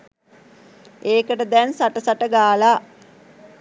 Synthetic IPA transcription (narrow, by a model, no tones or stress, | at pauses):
eːkəʈəd̪ɛnsaʈəsaʈəɡaːlaː